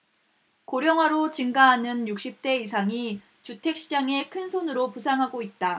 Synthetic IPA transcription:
koɾjʌŋɦwaɾot͡ɕiŋɡaɦanɯnjuk̚ɕ͈ip̚t͈e̞is̬ʰaŋi | t͡ɕutʰe̞k̚ɕ͈id͡ʑaŋe̞kʰɯnsʰonɯɾopusʰaŋɦaɡoit̚t͈a

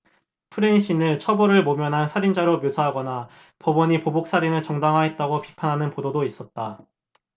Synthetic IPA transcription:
pʰɯɾeɲiɕ͈inɯɭt͡ɕʰʌboɾɯɭmomjʌnɦansʰaɾind͡ʑaɾomjosʰaɦaɡʌna | pʌbʌɲipobok̚s͈aɾinɯɭt͡ɕʌŋdaŋɦaɦet̚t͈aɡopipʰanɦanɯnpododois͈ʌt̚t͈a

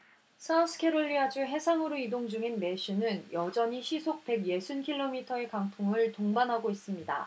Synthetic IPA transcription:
sʰasʰɯ̥kʰe̞ɾoʎːiad͡ʑuɦe̞sʰaŋɯɾoidoŋd͡ʑuŋinme̞ɕɯnɯnjʌd͡ʑʌɲiɕʰisʰok̚p͈e̞ɡje̞sʰunkʰiɭːomitʰʌe̞kaŋtʰuŋɯɭtoŋbanɦaɡois͈ɯmɲida̰

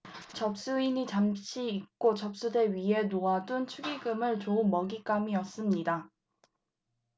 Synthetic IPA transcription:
t͡ɕʌp̚s͈uiɲit͡ɕamt͡ɕʰiːk̚k͈ot͡ɕʌp̚s͈ude̞ɥiɦe̞noadunt͡ɕʰuɡiɡɯmɯɭt͡ɕoumʌɡik͈amiʌs͈ɯmɲida

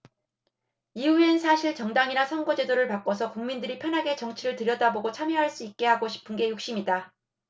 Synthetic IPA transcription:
iuensʰaɕʰiɭt͡ɕʌŋdaŋinasʰʌŋɡʌd͡ʑe̞doɾɯɭpak͈ʌsʰʌkuŋmindɯɾipʰjʌnɦaɡe̞t͡ɕʌŋt͡ɕʰiɾɯɭtɯɾjʌdaboɡot͡ɕʰamjʌɦaɭs͈uik̚k͈e̞ɦaɡoɕʰi̥pʰɯnɡe̞juk̚ɕ͈imida

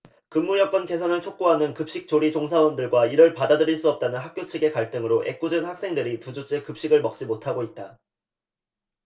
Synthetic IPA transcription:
kɯmːujʌk͈ʌnke̞sʰʌnɯɭt͡ɕʰok̚k͈oɦanɯnkɯp̚ɕ͈ik̚t͡ɕ͈oɾit͡ɕoŋsʰawʌndɯɭɡwaiɾɯɭpadadɯɾiɭs͈uʌp̚t͈anɯnɦak̚k͈jot͡ɕʰiɡe̞kaɭt͈ɯŋɯɾoʔe̞̰k͈̚ud͡ʑɯnhak̚s͈e̞ŋdɯɾitud͡ʑut͡ɕ͈ʰekɯp̚ɕ͈iɡɯɭmʌk̚t͡ɕ͈imotʰaɡoit̚t͈a

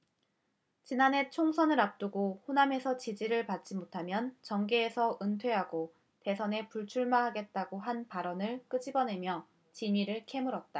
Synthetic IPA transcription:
t͡ɕinane̞t͡ɕʰoŋsʰʌnɯɾap̚t͈uɡohoname̞sʰʌt͡ɕid͡ʑiɾɯɭpat̚t͡ɕ͈imotʰamjʌnt͡ɕʌŋɡeːsʰʌʔɯntʰwe̞ɦaɡo | te̞sʰʌne̞puɭt͡ɕʰuɭmaɦaɡe̞t̚t͈aɡoɦanpaɾʌnɯɭk͈ɯd͡ʑibʌne̞mjʌ | t͡ɕiɲiɾɯɭkʰe̞muɾʌt̚t͈a

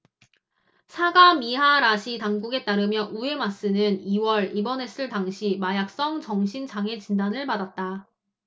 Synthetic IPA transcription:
sʰaɡamiɦaɾaɕʰitaŋɡuɡe̞t͈aɾɯmjʌʔue̞mas͈ɯnɯniwʌɾibʌne̞s͈ʰɯɭtaŋɕʰimajak̚s͈ʌŋt͡ɕʌŋɕʰint͡ɕaŋe̞t͡ɕindanɯɭpadat̚t͈a

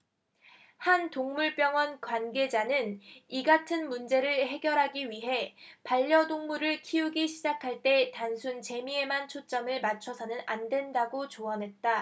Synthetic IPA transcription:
hantoŋmuɭp͈jʌŋwʌnkwanɡe̞d͡ʑanɯniɡatʰɯnmund͡ʑe̞ɾɯɭhe̞ɡjʌɾɦaɡiɥiɦe̞paʎːʌdoŋmuɾɯɭkʰiuɡiɕʰid͡ʑakʰaɭt͈e̞tansʰunt͡ɕe̞mie̞mant͡ɕʰot͡ɕ͈ʌmɯɭmat͡ɕʰʌsʰʌnɯnandwe̞ndaɡot͡ɕoʌnɦe̞t̚t͈a

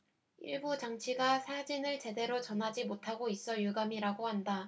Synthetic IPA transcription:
ḭɭbut͡ɕaŋt͡ɕʰiɡasʰad͡ʑinɯɭt͡ɕe̞de̞ɾot͡ɕʌnɦad͡ʑimotʰaɡois͈ʌjuɡamiɾaɡohanda

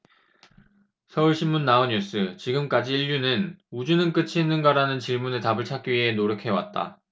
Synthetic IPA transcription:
sʰʌuɭɕʰinmunːaoɲjus͈ɯt͡ɕiɡɯmk͈ad͡ʑiːʎːunɯnud͡ʑunɯnk͈ɯt͡ɕʰiɦenːɯnɡaɾanɯnt͡ɕiɭmunetabɯɭt͡ɕʰak͈̚iɥiɦe̞noɾjʌkʰe̞wa̰t̚t͈a̰

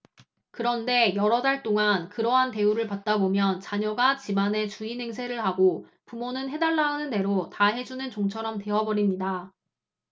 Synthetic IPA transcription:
kɯɾʌnde̞jʌɾʌdaɭt͈oŋankɯɾʌɦante̞uɾɯɭpat̚t͈abomjʌnt͡ɕaɲʌɡat͡ɕimane̞t͡ɕuine̞ŋsʰe̞ɾɯɭɦaɡo | pumonɯnɦe̞daɭːaunɯnde̞ɾotaɦe̞d͡ʑunɯnt͡ɕoŋt͡ɕʰʌɾʌmte̞ɦʌbʌɾimɲida

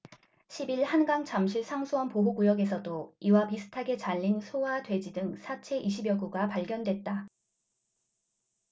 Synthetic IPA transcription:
ɕʰibiɭhanɡaŋt͡ɕamɕʰiɭsʰaŋsʰuwʌnpoɦoɡujʌɡe̞sʰʌdoiwapisʰɯ̥tʰaɡe̞t͡ɕaʎːinsʰowadwe̞d͡ʑidɯŋsʰat͡ɕʰe̞ʔiɕʰibjʌɡuɡapaɭɡjʌndwe̞t̚t͈a

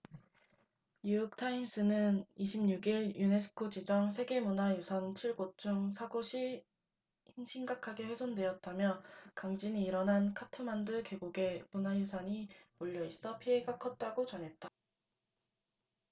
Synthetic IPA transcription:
ɲujuk̚tʰaims͈ɯnɯniɕʰimɲuɡiɭjune̞sʰɯ̥kʰod͡ʑid͡ʑʌŋsʰe̞ɡe̞munajusʰʌnt͡ɕʰiɭɡot͡ɕ͈uŋsʰaɡoɕʰi | hinɕʰiŋɡakʰaɡe̞ɸwe̞sʰondwe̞ʌt̚t͈amjʌkaŋd͡ʑiniːɾʌnɦankʰatʰɯmandɯke̞ɡuɡe̞munajusʰʌɲimoʎːʌis͈ʌpʰie̞ɡakʰʌt̚t͈aɡot͡ɕʌnɦe̞t̚t͈a

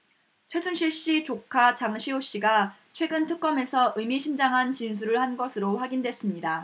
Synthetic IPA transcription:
t͡ɕʰwe̞sʰunɕʰiɭɕ͈it͡ɕokʰat͡ɕaŋɕʰioɕ͈iɡat͡ɕʰwe̞ɡɯntʰɯk̚k͈ʌme̞sʰʌʔɯmiɕʰind͡ʑaŋɦant͡ɕins̬ʰuɾɯɭhanɡʌsʰɯɾoɸwaɡindwe̞s͈ɯmɲida

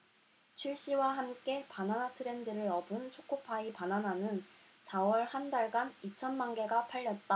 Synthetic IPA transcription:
t͡ɕʰiɭɕ͈iwaɦamk͈e̞pananatʰɯɾe̞ndɯɾɯɾʌbɯnt͡ɕʰok͈ʰopʰaipanananɯn | sawʌɭhandaɭɡanit͡ɕʰʌnmaŋɡe̞ɡapʰaʎːʌt̚t͈a

